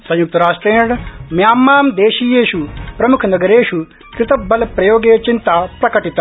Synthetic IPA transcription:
sɐ̃jʊk̚t̪ɾaːʃʈɾeːɽmjaːmːaːmd̪eːʃijeːʃupɾɐmʊkʰnɐɡəɾeːʃu | kɾɪt̪ɐbːɐlpɾɐjoːɡeːt͡ʃɪnt̪apɾɐkɐʈɪt̪

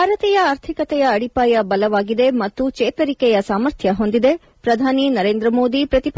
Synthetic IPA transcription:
aːɾɐt̪ɛjɐaːɾt̪ʰikɐt̪ɛjɐːɽipaːjɐbɐlɐʋaːɡid̪e̞mɐt̪ːut͡ʃeːt̪ɐɾikɛjɐsaːmɐɾt̪ʰjɐɦo̞nd̪id̪e̞ | pɾɐd̪ʱaːninɐɾeːnd̪ɾɐmo̞ːd̪ipɾɐt̪ip

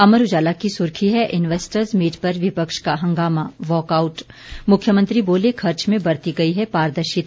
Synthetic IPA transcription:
ɐməɾʊd͡ʒaːlakisʊɾkʰiɦɛʔɪnʋeːsʈəɾzmiːʈpɐɾʋɪpəkʃkaɦɐ̃ŋɡaːmaʋɔːkaːʊʈ | mʊkʰːjəmə̃nt̪ɾiboːlekʰɐɾt͡ʃmẽbɐɾt̪iɡɐiɦɛpaːɾd̪əɾʃɪt̪

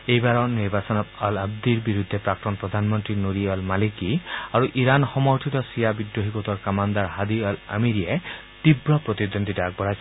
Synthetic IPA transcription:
ejbaɾɔniɾbasɔnɔt̪alab̚d̪iɾbiɾud̪ʱːepɾaktɔnpɾɔd̪ʱanmɔnt̪ɾinuɾiɔlmalikiaɾuʔiɾanxɔmɔɾt̪ʰit̪ɔsijabid̪joɦikot̪ɔɾkamand̪aɾɦad̪iala̰miɾia | t̪ibɾɔpɾɔt̪id̪ond̪ʱidak̚bɔɾajsɔ

